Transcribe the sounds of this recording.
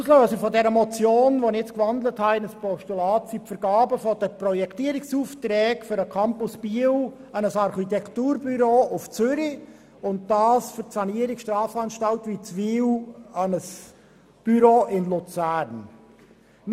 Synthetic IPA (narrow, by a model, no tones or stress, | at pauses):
uːsløːsəfɔdɛɾəmɔt͡sjoːnʋonɪɛt͡skvɑnd̪ləthɑɪnəspɔʃtulɑːtsipfəɾɡɑːbəfɔd̥əprɔjɛkt̪iːəɾɪksuːftɾɛːkfʏɾəkʰɑmpʊsb̥iəw | ɑnəsɑɾχitɛktuːɾbyɾoːʔʊft͡sʏɾi | ʊnt̚d̥ɑːsfʏtsɑniəɾɪkʃtɾɑːfɑnʃtɑltʋit͡sʋiːwɑnəs | b̥yɾoːʔɪnlʊt͡sæːɾn